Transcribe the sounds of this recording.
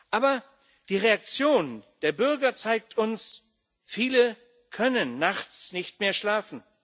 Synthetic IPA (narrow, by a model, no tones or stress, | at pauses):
ʔaːbɐ | d̥iːʁeak̚t͡sjoːnd̥eːɐbʏɐɡɐt͡saɪk̚tʰʊns | fiːlə | kʰœnənːaχt͡snɪçtmeːɐʃlaːfn̩